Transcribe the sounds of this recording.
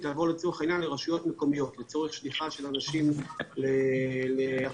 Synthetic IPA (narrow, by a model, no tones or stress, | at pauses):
t̪aːvo̞let͡so̞eχainjanleʁaʃujo̞t̪meko̞mijo̞t̪le̞t͡so̞ʁeχʃliχaʃe̞lanaʃimlelea